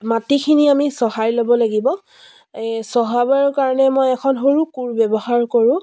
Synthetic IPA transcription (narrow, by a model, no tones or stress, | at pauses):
matikʰiniamisɔhajlɔbɔlaɡibɔ | sɔɦabaɹkaɹɔnɛmojɛkʰɔnɦoɹukuɹbɛbɔhaɹkoɹʊ̃